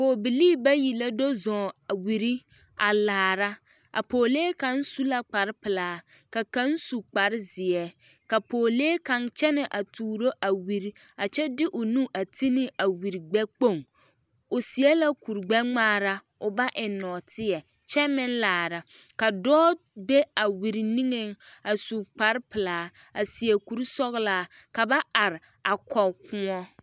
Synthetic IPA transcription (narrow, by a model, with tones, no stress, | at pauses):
koː˨bi˨liː˦ba˦ji˨la˦do˦zɔ̃˨a˨wi˨ɾi˦ | a˨laː˨ɾa˦ | ʔa̰˨poː˨leː˦ka˨n̩˦su˦la˦k͡pa˨ɾɪ˦pɪ˨laː˨˦ | ka˨ka˦n˦su˨k͡pa˨ɾɪ˦zɪ˨ɛ˦ | ka˨poː˨leː˦ka˨nt͡ʃɛ˦nɪ˨ʔa˨tuː˨ɾo˦ʔa˨wi˨ɾi˦ | a˨t͡ʃɛ˦dɪ˦ʔʊ˨nũ˦ʔa˨ti˦nɪ˦a˨wi˨ɾi˨ɡ͡bɛ˦k͡po˦˨ŋ | ʊ˨si˨ɛ˦la˦ku˨ɾɡ͡bɛ˦ŋ͡maː˦˨ɾa˦ | ʊ˨ba˦ʔɪ˨nɔ˨tʰɪ˦ɛ˨ | t͡ʃɛ˦mɪ̃˦nlaː˨ɾa˨ | ka˨dɔː˦ | be˦a˨wi˨ɾi˨ni˦ŋe˦a˨su˨k͡pa˨˦ɾpɪ˨laː˨˦ | a˨si˨ɛ˨ku˦ɾsɔ˦ɣlaː˦ | ka˨ba˦a˨ɾɪ˨ | a˨kɔ˨kʊ˦ɔ˦